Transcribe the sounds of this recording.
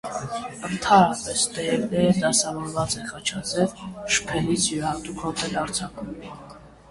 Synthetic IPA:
ənt̪ʰɑnɾɑpɛst̪ɛɛvd̪ɛəd̪ɑsɑvɔɾvɑt͡sɛχɑt͡ʃʰɑt͡sʰɛlʃə̥pʰɛlit͡sʰjuɾhɑt̪ukʰɔt̪ɛlɑɾt͡sʰɑkum

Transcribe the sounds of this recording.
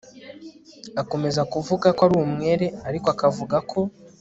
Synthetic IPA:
ako̞me̞zakuvuɡakwaɾumŋe̞ːɾe̞aɾikoakavuɡakʰo̞

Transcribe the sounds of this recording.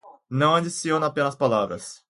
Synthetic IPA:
nɐ̃w̃ɐ̃d͡ʒisiõnɐapẽnɐspalavɾɐ̰s

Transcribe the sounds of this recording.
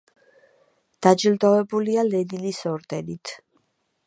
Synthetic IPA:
d̪̥ad͡ʒild̪ɔvɛbulialɛd̪ilisɔɾd̪̥ɛnit̪ʰ

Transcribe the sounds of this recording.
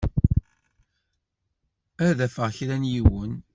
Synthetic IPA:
æðæfəʁçɾænjiwən

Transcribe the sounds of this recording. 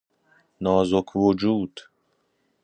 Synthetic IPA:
nɒːzokʰvod͡ʒuːd̪̥

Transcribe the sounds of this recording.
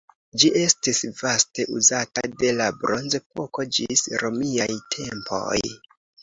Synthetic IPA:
d͡ʒiʔe̞stisvaste̞ʔuzatade̞labɾo̞nzep̚o̞ko̞d͡ʒisɾo̞miajtʰe̞mpo̞̰j

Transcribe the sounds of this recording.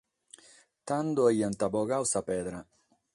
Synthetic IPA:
t̪and̪oejant̪aboɣawsaped̪ɾa

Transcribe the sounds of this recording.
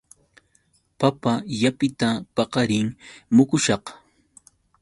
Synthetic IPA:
papajapɪt̪apɑqɑɾɪŋmʊkʊʃɑq

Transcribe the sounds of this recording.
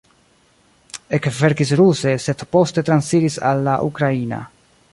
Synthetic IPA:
ekve̞ɾkisɾuse̞se̞dpo̞ste̞t̪ɾansiɾisa̰lːaʔukɾaina̰

